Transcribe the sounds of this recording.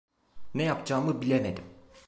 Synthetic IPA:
nejapd͡ʒaːmɯbilʲe̞me̞d̪im

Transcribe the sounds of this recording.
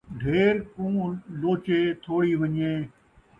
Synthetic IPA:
ɖʱeːɾkũːloːt͡ʃeːt̪ʰoːɽiːʋəɲeː

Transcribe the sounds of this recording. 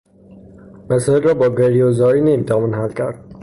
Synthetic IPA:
mæsɒelɾɒːbɒːɡeɾiozɒːinemt̪ʰæmunɦælcʰæɾd̪̥̚

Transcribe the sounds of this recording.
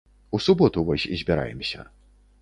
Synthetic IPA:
usubɔt̪uvɔsʲizʲbʲiɾa̰jɛmsʲɐ̰

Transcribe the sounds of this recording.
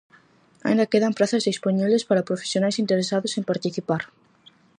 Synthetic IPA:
a̰ĩnd̪akeðampɾaθazðisponiβlespaɾapɾofe̥sjonajsint̪eɾesaðosempaɾt̪iθipaɾ

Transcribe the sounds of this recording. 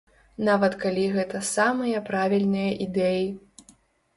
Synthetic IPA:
navɐt̪kalʲiɣɛt̪ɐsamɨjɐpɾavʲilʲnɨjɐʔid̪ɛji

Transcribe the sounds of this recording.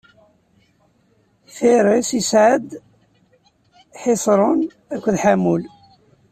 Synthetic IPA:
θɪɾˤisisʕəd̪ | ħɪsˤɾˤʊn | ækʷːðħamul

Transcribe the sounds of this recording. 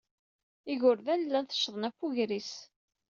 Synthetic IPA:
iʝʊɾðænlːænθə̥ʃðˤənæfuʝɾis

